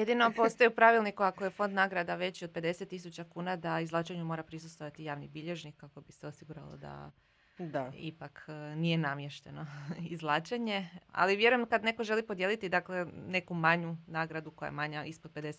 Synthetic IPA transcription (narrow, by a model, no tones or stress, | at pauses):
jed̪ino̞post̪ojeupɾaʋilˠnikuakojefo̞nd̪naɡɾad̪aʋe̞t͡ɕiod̪̚pe̞d̪e̞set̪ːis̬ut͡ɕakuːnad̪aizlˠaːt͡ʃeɲumo̞ːɾapɾisust̪ʋo̞ʋat̪ijaːʋnibiʎe̞ʒnikkːako̞biseosiɡuɾa̰lo̰d̪a̰ | d̪aḭpaknije̞namje̞ʃt̪e̞no̞izlˠaːt͡ʃeɲe̞a̰liʋje̞ɾujemkad̪ne̞ko̞ʒe̞lipo̞d̪je̞lit̪id̪akle̞ne̞kumaɲunaːɡɾad̪uko̞ja̰emaɲaʔispod̪ped̪e̞se